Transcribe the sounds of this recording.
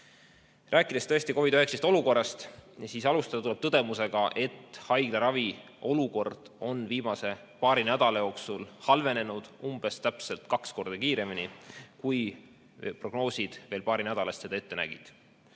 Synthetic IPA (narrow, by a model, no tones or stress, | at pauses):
rʔæːkːˑid̪̥est̪ɤest̪iko̞vid̪øɦeksest̪ˑo̞luko̞rːɑst̪jɑsiːsɑlust̪ɑd̪ɑt̪ule̞b̥̚t̪ɤd̪̥e̞muse̞ɡ̥ɑʔe̞t̪ːhɑjɡ̥lɑɾɑvi | ʔo̞luko̞rd̪̥o̞nviːmɑse̞ | pɑːɾinæd̪̥ɑlɑjo̞ːksulhɑlve̞ne̞nud̪̥umb̥e̞st̪æpse̞lt̪kɑksko̞rd̪̥ɑkiːɾe̞minikuj | pro̞ɡ̥no̞ːsʲid̪̥ve̞ːlpɑːɾinæd̪̥ɑlɑst̪se̞d̪ɑe̞t̪ːe̞næ̰ɡ̥ḭd̪̥